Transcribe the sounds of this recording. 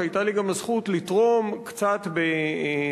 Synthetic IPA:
ajtaliɡamazχutlitʁo̞mkt͡satbe

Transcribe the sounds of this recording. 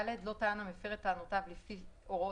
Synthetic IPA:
ledlo̞taanamefeʁet̪ːaːnotavlifiʔo̞ʁo

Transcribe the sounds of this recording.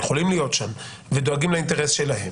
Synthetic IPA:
jeχolimlijo̞t̪ʃam | ved̪oaɡimlaint̪e̞ʁesʃe̞laɦe̞m

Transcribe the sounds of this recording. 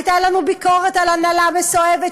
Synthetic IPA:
t̪alanubikoʁetalanalamesoeve

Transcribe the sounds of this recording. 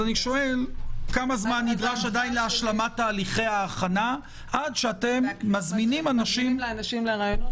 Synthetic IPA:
aniʃo̞e̞lkamazmanːidʁaʃadajnleaʃlamat̪ːaːliχe̞jaːχana | ʔadʃeate̞mːazminimanaʃimnʃimleʁajo

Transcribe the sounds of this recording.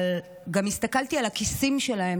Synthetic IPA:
l | ɡamistakaltialakisimʃe̞lahe̞

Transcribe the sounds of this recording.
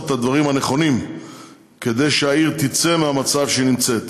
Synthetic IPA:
t̪had̪vaʁimhane̞χo̞nim | ke̞d̪e̞jʃeaiʁt̪it͡se̞meamat͡savʃenimt͡se̞t̪

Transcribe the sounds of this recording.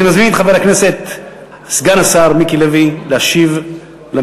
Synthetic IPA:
imazminχaveʁaknese̞t̪ | sɡanasaʁmikilevilehaʃiv | la

